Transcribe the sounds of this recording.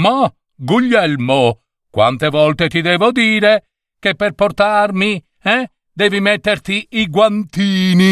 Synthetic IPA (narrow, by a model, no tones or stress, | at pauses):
ma | ɡuʎːɛlmo | kwa̰nt̪evɔlt̪et̪id̪ɛːvod̪iːɾe | kepːerport̪armi | ɛ | d̪ɛːvimet̪ːert̪iiɡwant̪iːni